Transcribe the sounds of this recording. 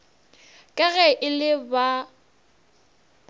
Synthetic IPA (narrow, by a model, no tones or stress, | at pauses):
kʼɛɣɛʔɪlɪba